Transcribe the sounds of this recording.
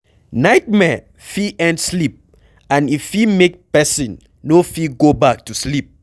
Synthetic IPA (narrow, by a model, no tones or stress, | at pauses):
naɪt̚mɛ | fiʔɛ̃ntslip̚ | ãnifimek̚pɛsĩnː | ofiɡobak̚tuslip̚